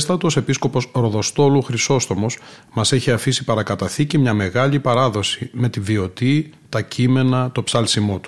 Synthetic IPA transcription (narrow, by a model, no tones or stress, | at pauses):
st̪ɐt̪o̞se̞pisko̞po̞sɾo̞ðo̞st̪o̞luxɾiso̞st̪o̞mo̞s | mɐse̞çiɐfisipɐɾɐkɐt̪ɐθicimɲɐme̞ɣɐʎipɐɾɐðo̞sime̞t̪ivio̞t̪it̪ɐcʰime̞nɐt̪o̞psɐlsimo̞t̪u̥